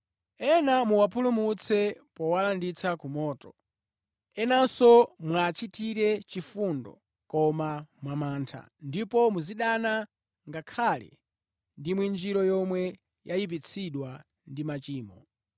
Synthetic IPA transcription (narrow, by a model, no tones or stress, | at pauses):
ɛnamuwapʰulumut͡sʰɛpɔwalandit͡sʰakumɔːtɔ | ɛnasɔmwat͡ʃitiɾɛt͡ʃifundɔ̰ | kɔmamwamaːntʰa̰ | ndipɔmuziɗana | ŋɡakʰalɛ̰ | ndimwind͡ʒiɾɔjɔmwɛ | jajip̬it͡sʰiɗwa | ndimat͡ʃiːmɔ